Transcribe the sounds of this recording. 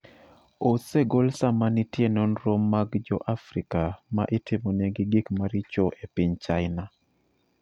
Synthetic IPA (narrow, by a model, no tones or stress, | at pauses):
oseɡolsamanitjenɔnɾomːaɡd͡ʒɔʔafɾikama̰ʔɪtɪmoneɡɪɡikmaɾɪt͡ʃoʔepɪɲt͡ʃaɪna